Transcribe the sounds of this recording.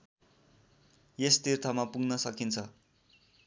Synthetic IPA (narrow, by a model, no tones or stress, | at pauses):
jest̪irt̪ʰʌmapuɡnʌsʌkint͡sʰʌ